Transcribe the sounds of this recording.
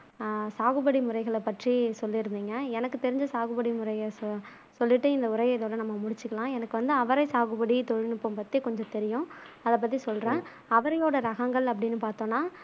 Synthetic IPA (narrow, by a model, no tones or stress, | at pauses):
saːɣɯbɐɽimʊɾɐɪɣɐɭɐpːɐʈrisɔlːiɾɯnd̪iːŋɡɐɛnɐkːɯt̪ɛɾɪɲd͡ʒɐsaːɣɯbɐɽimʊɾɐɪjɐ | sɔlːɪʈːɯɪnd̪ɐʊɾɐɪjɐɪðoːɽɐnɐmːɐmʊɽɪt͡ʃːɯkːɐɭlãːɛnɐkːɯʋɐnd̪ɯɐʋɐɾɐɪsaːɣɯbɐɽit̪ɔɻɪnɯpːõmpɐt̪ːikɔɲd͡ʒɔ̃t̪ɛɾɪjʊ̃ | ɐðɐp̬ːɐt̪ːisɔlrẽː | ɐʋɐɾɐjoːɽɐɾɐɣɐŋɡɐɭɐp̬ːɐɽɪnːɯpaːɾt̪õːnːaː